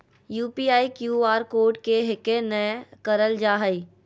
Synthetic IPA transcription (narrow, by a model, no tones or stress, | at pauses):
juːpiːaːikjuːaːɾkoːɾʈkeɦɪkenəkəɾəld͡ʒaːɦəi